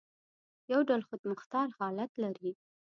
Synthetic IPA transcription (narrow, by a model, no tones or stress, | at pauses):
jawɖalxʊd̪mʊxt̪ɑɾhɑlat̪laɾi